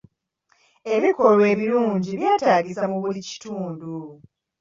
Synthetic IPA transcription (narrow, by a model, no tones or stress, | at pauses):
e̞βiko̞lwe̞ːβiluːɲɟiβjaːtaːɟisamuβulici̥tuːndu